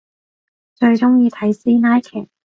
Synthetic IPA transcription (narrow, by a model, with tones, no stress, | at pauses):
t͡ʃɵ˧ɥt͡sʊ˥ŋjiː˨˧t̪ʰɐ˨˥jsiː˥naː˥jkʰɛ̰ː˨˩